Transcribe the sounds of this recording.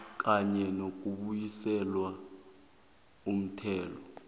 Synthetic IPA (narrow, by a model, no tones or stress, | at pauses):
k̬ʼaɲɛnok̬ʼuɓujisɛlwa | um̩tʰɛːlɔ